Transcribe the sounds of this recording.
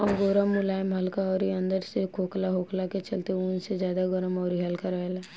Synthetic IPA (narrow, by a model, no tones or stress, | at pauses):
ɔːɾɡoɾəmːʊlaːjmɦɐlkaɔːɾiɐ̃nd̪əɾsekʰoːklaɦoːklaket͡ʃɐlt̪eunsezjaːd̪aɡəɾəmɔːɾiɦɐlkaɾɛɦla